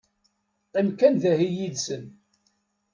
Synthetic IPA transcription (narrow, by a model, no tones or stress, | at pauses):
qimkænðæhijid̪sən